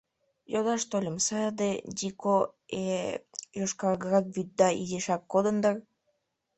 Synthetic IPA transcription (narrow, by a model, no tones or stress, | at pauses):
jod̪ɑʃt̪olʲəmsɑd̪edʲikoejoʃkɑlɡəɾɑk̚βyt̪̚d̪ɑḭzeʃɑkːod̪ənd̪ər